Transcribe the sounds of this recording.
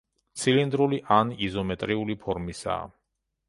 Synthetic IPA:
t̪sʰilind̪ɾuliʔanizɔmɛt̪ʼɾiulipʰɔɾmisa̰ː

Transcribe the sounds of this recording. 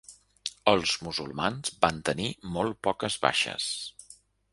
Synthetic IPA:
əlˠz̥muzulˠmanzbant̪ənimɔl̚ˠpɔkəzβa̰ʃə̰s

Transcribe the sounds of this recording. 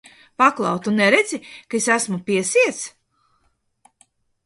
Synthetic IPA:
paklˠɑ̰wt̪unːɛɾed̪zikaesæsmupʲiɛsiɛt̪s

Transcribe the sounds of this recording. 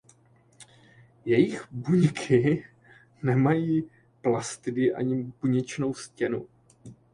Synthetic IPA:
jɛjɪxbuɲkʰɪ | nɛmajiː | plast̪ɪdɪʔa̰ɲɪpuɲɛt͡ʃno̞wscɛnu

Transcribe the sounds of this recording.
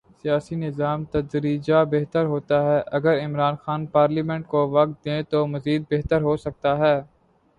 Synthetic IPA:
sijaːsinɪzaːmt̪ɐd͡ʒɾiːd͡ʒabeɦt̪əɾɦoːt̪aɦɛʔɐɡəɾɪmɾaːnxaːnpaːɾlimɛ̃ɳʈkoʋɐk̚t̪̚d̪ẽt̪omɐziːd̪̚beɦt̪əɾɦosɐk̚t̪aɦɛː

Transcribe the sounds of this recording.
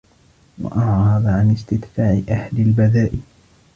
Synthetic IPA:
wa̰ʔɑʕɾɾˤɑðˤʕanɪst̪ɪd̪faːʕɪʔahlɪlbaðaːʔɪ

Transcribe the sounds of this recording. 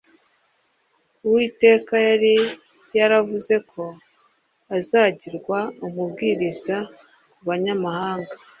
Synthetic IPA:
uwiːte̞ːkajaɾi | jaɾavuze̞kʰo̞ | azaːɟiɾɡwaumubɡiːɾiz̥a | kuβaɲamahaːŋɡa

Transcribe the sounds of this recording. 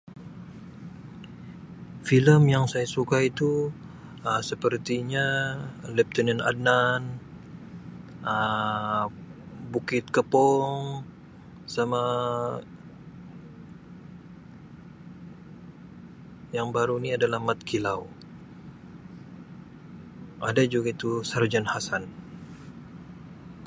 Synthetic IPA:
filəmjaŋsajasukait̪u | əsəpərt̪iɲalɛp̚t̪ənɛna̰dnan | ə | bukɪt̪̚kəpɔŋ | sama | jaŋbaɾuniadalahmat̪̚kʰilaw | ʔadad͡ʒuɡait̪usərd͡ʒanhasan

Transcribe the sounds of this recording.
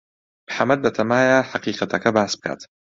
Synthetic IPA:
b̥ħamːad̪lat̪ʰamaːjaħaqiːqat̪akabaːsb̚ka̰ːt̪

